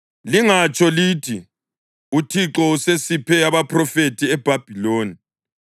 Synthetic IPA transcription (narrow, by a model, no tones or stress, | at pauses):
liŋat͡ʃʼʰɔlitʰi | utʰiǁɔusesipʰɛaβapʰrɔfetʰiɛb̥ʱab̥ʱiloːni